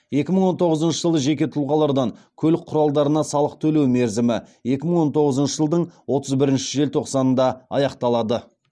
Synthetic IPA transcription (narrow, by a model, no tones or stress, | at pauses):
je̞kʲɪməɴwo̞nt̪ʰo̞ʁəzənʃəʒəlˠəʒe̞kʲe̞t̪ʰʊlˠʁɑlˠɑɾd̪ɑŋkʲʰɵlɪk̚qʰːʊɾɑlˠd̪ɑɾənɑsɑlˠəq̚t̪ʰɵle̞wme̞ɾzɪmɪje̞kʲɪməɴwo̞nt̪ʰo̞ʁəzənʃəʒəlˠd̪əɴwo̞t̪əzbɪɾɪnʃɪʒe̞lt̪ʰo̞qsɑnənd̪ɑɑjɑqt̪ɑlˠɑd̪ə